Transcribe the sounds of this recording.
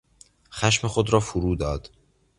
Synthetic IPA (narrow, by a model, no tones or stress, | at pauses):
xæʃmexod̪ɾɒːfoɾuːd̪ɒːd̪̥